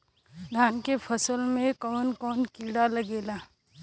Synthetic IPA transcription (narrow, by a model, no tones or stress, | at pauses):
d̪ʱaːnkepʰəsəlmẽkɔːnkɔːnkiːɽalɐɡeːlaː